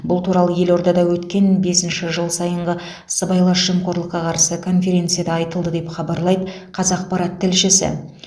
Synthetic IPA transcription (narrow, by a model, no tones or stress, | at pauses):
bʊlˠt̪ʰuɾɑlˠəje̞lo̞ɾd̪ɑd̪ɑwɵt̪kʲe̞nbe̞sɪnʃɪʒəlˠsɑjəɴʁə | səbɑjlˠɑʃʒ̥əmqʰo̞ɾlˠəqːɑqʰɑɾsəkʰo̞nfe̞ɾʲe̞nt̪sijad̪ɑɑjt̪əlˠd̪əd̪e̞pχɑbɑɾlˠɑjd̪əqʰɑzɑq̚pɑɾɑt̪ʰːɪlʃɪsɪ̰